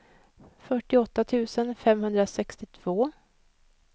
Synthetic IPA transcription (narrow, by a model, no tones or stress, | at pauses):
fœʈːɪɔt̪ːat̪ʰʉ̟ːsənfɛmhɵnd̪ɾasɛkst̪ɪt̪ʰv̥oː